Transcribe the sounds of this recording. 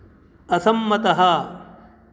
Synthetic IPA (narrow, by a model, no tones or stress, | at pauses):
ɐsɐmːɐt̪ɐɦɐ